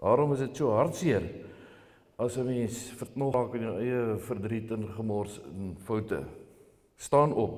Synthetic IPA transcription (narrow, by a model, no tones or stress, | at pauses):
dɑːɾɔməsdətsuəɦɐrtsiər | ɐsəmɛnsfərtnɔɑːkəniwɛjəfərdritənχəmɑːrsənfɐwtə̰ | stɑːnɔp̚